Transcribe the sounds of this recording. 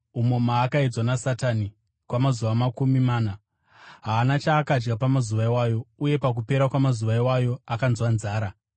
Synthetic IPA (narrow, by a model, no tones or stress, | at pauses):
umo̞maːkaed͡zwanasatani | kwamazuʋamakumimaːna | ɦaːnat͡ʃaːkad͡ʒɡapamazuʋaiwajo̞uje̞pak̬upe̞ɾakwamazuʋaiwajo̞akanzwanzaːɾa